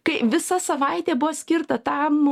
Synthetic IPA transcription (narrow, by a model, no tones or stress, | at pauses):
kɐɪʋʲɪsɐsɐʋɐɪt̪ʲeːbʊʋoːsʲkʲɪrt̪ɐt̪ɐm